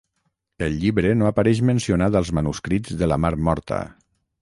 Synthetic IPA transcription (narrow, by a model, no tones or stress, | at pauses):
əlʎiβɾənoəpaɾɛʃmənsionad̪əlˠzmənuskɾizðələmaɾmɔɾt̪ə̰